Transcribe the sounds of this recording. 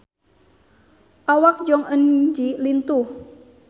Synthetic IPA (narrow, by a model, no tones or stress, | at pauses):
ʔawak̚d͡ʒɔŋənd͡ʒilint̪uh